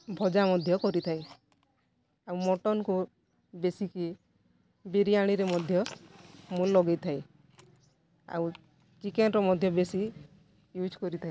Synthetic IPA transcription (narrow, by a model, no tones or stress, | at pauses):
bʱɔd͡ʒamɔd̪ʱjɔkɔɾit̪ʰaj | awmɔʈɔnku | besiki | biɾiaɽ̃iɾemɔd̪ʱjɔ | mulːɔɡejt̪ʰaj | a̰w | t͡ʃikenɾɔmɔd̪ʱjɔbesi | jud͡ʒkɔɾit̪ʰai